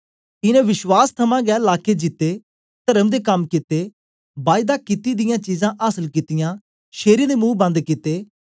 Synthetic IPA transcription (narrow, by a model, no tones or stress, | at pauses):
ɪnɛ̃ːʋɪʃwaːst̪ʰɐmãːɡɛːlaːked͡ʒɪt̪ːeː | t̪əɾəmd̪eːkɐmkɪt̪ːeː | baːɪd̪aːkɪt̪id̪ɪjãːt͡ʃiːzãʔaːsəlkɪt̪ɪjãː | ʃeːɾĩd̪eːmũːbɐ̃nd̪kɪt̪ːeː